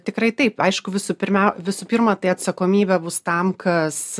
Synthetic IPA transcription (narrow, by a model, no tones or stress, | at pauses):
t̪ʲɪkɾɐɪt̪ɐɪpɐɪʃkʊʋʲɪsʊpʲɪɾʲmʲɛʊʋʲɪsʊpʲiːrmɐt̪ɐɪɐt̪sɐkoːmʲiːbʲɛbʊst̪ɐmkʰɐs